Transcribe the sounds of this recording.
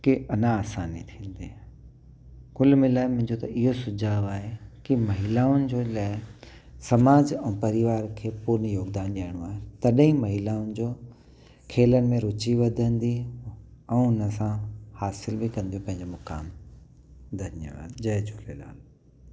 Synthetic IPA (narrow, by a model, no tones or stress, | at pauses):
kiɐnãaːsaːnit̪ʰĩːnd̪i | kʊlmɪlaːɪmʊ̃ɦɪ̃ɲd͡ʑot̪ɐʔɪɦosʊd͡ʑʱaːaːɦekimɐɦɪlaːʊnɪ̆d͡ʑoːlaːɪ | sɐmaːd͡ʑɛ̃ːpɐɾɪʋaːɾkʰeːpuːɾnjoːɡd̪aːnɗaːɽ̃õaːɦet̪ɐɗɦĩmɐɦɪlaːʊnɪ̆d͡ʑoː | kʰeːlənɪ̆mẽɾʊt͡ɕiʋɐd̪ʱə̃nd̪i | ɛ̃ːʊnəsãhaːsɪlbɪkɐ̃nd̪ijõpɐ̃ɦɪ̃ɲd͡ʑomʊka̰ːm | d̪ʱɐnjə̰ʋa̰ːd̪d͡ʑɐd͡ʑʊlela̰ːl